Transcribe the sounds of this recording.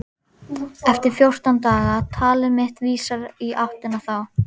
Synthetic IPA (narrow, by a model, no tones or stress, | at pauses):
ɛft̪ɪɾ̥fjowr̥t̪awnt̪aːɣat̪ʰaːlɪɾmɪht̪viːsaɾiʔawht̪ɪnaθaw